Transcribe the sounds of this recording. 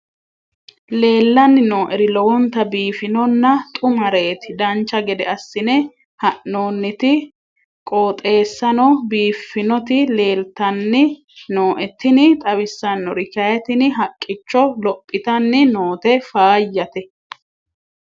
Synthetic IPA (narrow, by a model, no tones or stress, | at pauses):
le̞ːlːɐnːɪnoːʔɛɾɪlɔwɔnt̪ɐbiːfɪnɔnːɐt̪ʼʊmɐɾe̞ːt̪ɪd̪ɐnt͡ʃːɐɡɛd̪ɛɐsːɪnɛ | hɐʔno̞ːnːɪt̪ɪ | kʼoːt̪ʼe̞ːsːɐnɔbiːfːɪnɔt̪ɪle̞ːlt̪ɐnːɪ | noːʔɛt̪ːɪnɪt̪ʼɐβɪsːɐnːɔɾɪkɐjɛt̪ɪnɪɦɐkʼːɪt͡ʃːɔlɔpʼːɪt̪ɐnːɪnoːt̪ɛfaːjːɐt̪ɛ